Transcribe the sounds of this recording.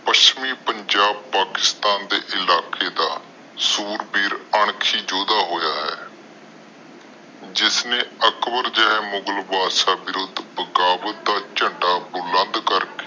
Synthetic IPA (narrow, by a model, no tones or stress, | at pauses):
pəʃt͡ʃmiːpəɲd͡ʒaːb̚paːkɪ̥st̪aːnd̪ḛːʔɪlaːkeːd̪aː | suːɾbiːɾəɳ̃kʰiːd͡ʒoːd̪aːɦoːjaːɦɛ̰ː | d͡ʒɪsnẽːəkbəɾd͡ʒəɦɛːmʊɡəlbaːʃaːbɪɾʊd̪bəɡaːbət̪̚d̪aːt͡ʃəɳɖaːbʊlə̃nd̪kəɾkeː